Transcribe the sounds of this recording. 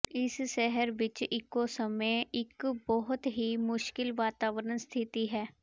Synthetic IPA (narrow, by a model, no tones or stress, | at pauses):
ɪsʃɛɦəɾʋɪt͡ʃɪkːosəmeɪkbɔɦʊt̪ɦimʊʃkɪlʋaːt̪aːʋəɾənst̪ʰɪt̪iɦɛː